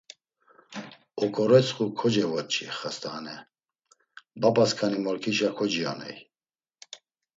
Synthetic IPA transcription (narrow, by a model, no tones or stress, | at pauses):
ɔkʰʼɔɾɛt͡sʰʼχukʰɔd͡ʒɛvɔt̪̚t͡ʃʰʼḭχast̪aːnɛ | bapʼaskʰanimɔɾkʰiʃakʰɔd͡ʒiɔ̰nɛ̰j